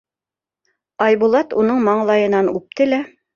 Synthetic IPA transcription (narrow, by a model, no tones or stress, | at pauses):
ɑjβulˠɑt̪unɤɴmɑɴlˠɑjɤ̆nɑnʉp̚t̪ɘlæ